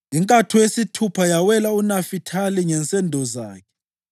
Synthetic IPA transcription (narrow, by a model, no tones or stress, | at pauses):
iŋkʼatʰujesitʰupʰajawɛlaunafitʰaliŋɛnt͡sʼɛndʱɔza̰ːkʰɛ̥